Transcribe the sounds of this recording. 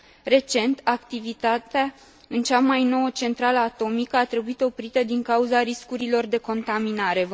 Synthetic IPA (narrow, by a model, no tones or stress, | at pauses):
re̞t͡ʃe̞nt̪akt̪ivit̪at̪ea | ɨnt͡ʃamajno̞wət͡ʃe̞nt̪ɾaləat̪o̞mikəat̪ɾe̞buit̪o̞pɾit̪əd̪iŋkauzaɾiskuɾilo̞rd̪e̞ko̞nt̪aminaɾe̞